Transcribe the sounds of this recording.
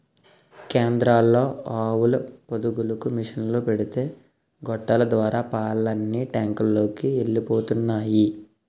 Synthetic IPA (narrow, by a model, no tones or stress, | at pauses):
keːnd̪ɾaːlːo̞ːaːwulɐpod̪uɡulɐkumiʂɐnloːpe̞ɽit̪e̞ː | ɡɔʈːɐlɐd̪ʋaːɾaːpaːɭːɐnːiʈaːŋkulːo̞ːkieɭːipo̞ːt̪unːaːji